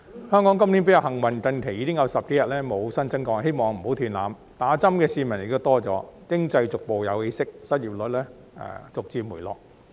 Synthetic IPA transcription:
hœː˥ŋkɔ˨˥ŋk̬ɐ˥mliː˨˥npe˨˥jɐ˨˧ɦɐ˨˩ŋwɐ˨nkɐ˧nkʰe˨˩jiː˨˧kɪ˥ŋjɐ˨˧wsɐ˨p̚ke˨˥jɐ˨t̚lɛː˥mo˨˧wsɐ˥nt͡sɐ˥nkɔː˧ŋɦe˥jmɔː˨ŋm̩˨˩ho˨˥wt̪ʰyː˨˩nlaː˨˧m | t̪aː˨˥t͡sɐ˥mkɛː˧siː˧mɐ˨˩njɪ̰˨k̚t̪o˥wt̪ɔː˥t͡sɔ̰ː˨˧˥kɪ˥ŋt͡sɐ˧jt͡sʊ˨k̚po˨wjɐ˨˧whe˨˧jsɪ˥k̚sɐ˥t̚jiː˨p̚lɵ˨˥t̚lɛː˥ | ɛ̰ː˨˩t͡sʊ˨k̚t͡siː˧muː˨˩jlɔ̰ː˨˩k̚

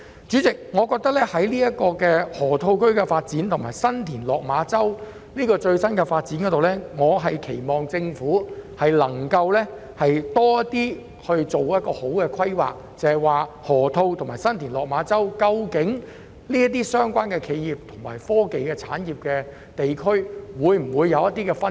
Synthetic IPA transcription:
t͡ʃyː˨˥t͡sɪ˨k̚ŋɔː˨˧kɔː˧k̚t̪ɐ˥k̚lɛː˥hɐ˨˥jliː˥jɐ˥t̚kɔː˧kɛː˧hɔː˨˩t̪ʰo˧wkɵ˥ɥkɛ˧faː˧t̚t͡siː˨˥nt̪ʰʊ˨˩ŋmaː˨˩jsɐ˥nt̪ʰiː˨˩nlɔː˨k̚maː˨˧˥t͡sɐ˥w | niː˥kɔː˧t͡ʃɵ˧ɥsɐ˥nkɛ˧faː˧t̚t͡siː˨˥nkɔ˨˥t̪o˨wlɛ˥ŋɔː˨˧ɦɐ˨jkʰe˨˩jmɔː˨˩ŋt͡sɪ˧ŋfuː˨˥hɐ˨jlɐ˨˩ŋkɐ˧wlɛː˥ | hɐ˨jt̪ɔː˥ɐ˥t̪iː˥ | hɵ˧ɥt͡so˨wjɐ˥t̚kɔː˧ho˨˥wkɛː˧kʰɐ˥jwa̰ː˨k̚t͡sɐ˨hɐ˨jwaː˨ | hɔː˨˩t̪ʰo˧wt̪ʰŋmaː˨˩jsɐ˥nt̪ʰiː˨˩nlɔː˨k̚maː˨˥t͡sɐ˥wkɐ˧wkɪ˨˥ŋ | liː˥ɐ˥t̪̬iː˥sœː˥ŋkʷaː˥nkɛː˧kʰe˨˧jjiː˨p̚t̪ʰʊ˨˩ŋma̰ː˨˩jfɔː˥ke˨jkɛː˧t͡sʰa̰ː˨˥njiː˨p̚kɛː˧ | t̪e˨jkʰɵ˥ɥwuː˨˧jm̩˨˩wuː˨˧jːɐ˨˧wjɐ˥t̪iː˥kɛː˧fɐ˥

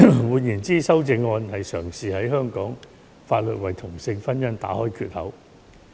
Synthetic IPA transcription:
wuː˨˧njiː˨˩nt͡siː˥sɐ˥wt͡sɪ˧ŋːɔː˧nhɐ˨jsœː˨˩ŋsiː˨hɐ˨˥jɦœː˥ŋkɔː˨˥ŋ | faː˧t̚lɵ˨t̚wɐ˨˩jt̪ʰʊ˨˩ŋsɪ˧ŋfɐ˥njɐ˥nt̪a̰ː˨˥hɔː˥jkʰyː˧t̚hɐ˨˥w

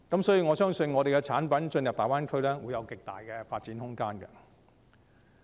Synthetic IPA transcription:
kɐ˨˥msɔː˨˥ji˨˧ŋɔː˨˧sœː˥ŋsɵ˧nŋɔː˨˧ɾe˨jkɛ˧t͡sʰaː˨˥npɐ˨˦nt͡sɵ˧njɐ˨p̚t̪aː˨waː˥nkʰɵ˥ɥlɛː˥wuː˨˧jɐ˨˧wkɪ˨k̚t̪a̰ː˨jkɛ˧faː˧t̚t͡siː˨˥nhʊ˥ŋkaː˥nkɛ̰˧

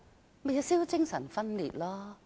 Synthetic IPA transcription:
me˨ja˨˧siː˥wt͡sɪ˥ŋsɐ̰˨˩nfɐ˥nlḭː˨t̚lɔː˦˥

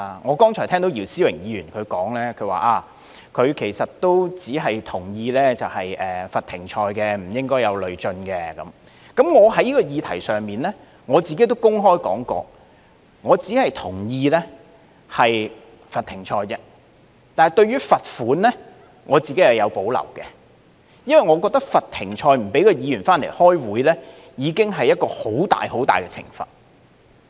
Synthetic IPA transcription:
ŋɔː˨˧kɔː˥ŋt͡ʃʰɔ˨˩t̪ʰɛː˥ŋt̪o˨˧wjiː˨˩wsiː˥wɪ˨˩ŋjiː˨˧jyː˨˩nkʰɵ˨˧ɥkɔː˨˥ŋlɛː˥kʰɵ˨˧ɥwa̰ː˨ʔaː˧ | kʰɵ˨˧ɥkʰe˨˩jsɐ˨t̚t̪ːo˥wt͡siː˨˥ɦɐ˨jt̪ʰʊ˨˩ŋjiː˧lɛː˥t͡sɐ˨whɐ˨jʔɛː˨fɐ˨t̪ʰɪ˨˩ŋt͡ʃʰɔː˧jkɛː˧m̩˨˩jɪ˥ŋkɔː˥jɐ˨˧wlɵ˨ɥt͡ʃɵ˧nkɛː˧kɐ˨˦m | kɐ˨˥mŋɔː˨˧ɦɐ˨˥jiː˥kɔ˧jiː˨˧t̪ʰɐ˨˩jsœː˨˩ŋmiː˨nlɛ˥ | ŋɔː˨˧t͡siː˨ke˥jt̪̬o˥wkʊ˥ŋɦɔː˥jkɔ̰ː˨˥ŋkɔ̰ː˧ | ŋɔː˨˧t͡siː˨˥hɐ˨jt̪ʰʊ˨˩ŋjiː˧lɛ˥ | hɐ˨j | fɐ˨t̪ʰɪ˨˩ŋt͡ʃʰɔː˧jt͡sɛ˧ | t̪aː˨n˨jt̪ɵ˧ɥyː˥fɐ˨t̚fuː˨˥nlɛ˥ | ŋʔɔː˨˧t͡siː˨ke˨˥jhɐ˨˩wjɐ˨˧wpo˨˥wlɐ̰˨˩wkɛː˧ | jɐ˥nwɐ˨˩jŋɔː˨˧kɔː˧k̚t̪ɐ˥k̚fɐ˨t̪̚ʰːɪ˨˩ŋt͡ʃʰɔː˧jm̩˨˩pe˨˥jkɔː˧jiː˨˧jyː˨˩nfaː˥nle˨˩jhɔː˥jwuː˨˥jlɛː˥ | jiː˨˧kɪ˥ŋɦɐ˨jɐ˥t̚kɔː˧ho˨˥wt̪a̰ː˨jho˨˥wt̪aː˨jkɛ˧t͡sʰɪ̰˨˩ŋfɐ̰˨˩t̚

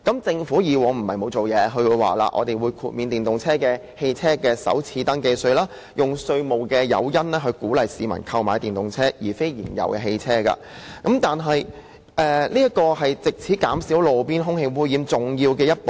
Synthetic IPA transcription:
kɐ˨˥mt͡sɪ˧ŋfuː˨˥jiː˨˧wɔː˨˧ŋm̩˨˩hɐ˨jmo˨˧wt͡so˨wjɛː˨˧ɦɵ˧ɥwuː˨˧jwa̰ː˨la̰ː˧ʔɔ̰˨˧t̪e˨jwuː˨˧jkʰuː˨t̚miː˨˧nt̪iː˨nt̪ʊ˨ŋt͡sʰɛː˥kɛː˧ | he˧jt͡sʰɛː˥kɛː˧sɐ̰˨˥wt͡sʰiː˧t̪ɐ˥nke˧jsɵ˧ɥlaː˥ | jʊ˨ŋsɵ˧ɥmo˨˩wkɛː˧jɐ̰˨˧wjɐ˥nlɛː˥ɦɵ˧ɥkuː˨˥lɐ˨jsiː˨˧mɐ̰˨˩nkʰɐ˧wma̰ː˨˧jt̪iː˨˩nt̪ʊ˨ŋt͡sʰɛː˥jiː˨˩fe˥jjḭː˨˩njɐ̰˨˩wkɛ˧ɦe˧jt͡sʰɛː˥ka̰ː˧ | kɐ˨˥mt̪aː˨nɦɐ˨j | ʔɛː˧liː˥jɐ˥t̚kɔː˧ɦɐ˨jt͡sɪ˨k̚t͡sʰiː˨˥kaː˨˥msi˨˥wlo˨˩wpiː˥nɦʊ˥ŋhe˧jwuː˥jiː˨˧mt͡sʊ˨ŋjiː˧wkɛː˧jɐ˥t̚po˨

